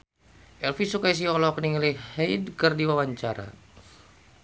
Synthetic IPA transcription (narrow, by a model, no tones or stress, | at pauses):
ʔɛlfisukais̬iɔlɔkniŋilihɛjdkərdiwawaɲt͡ʃaɾa̰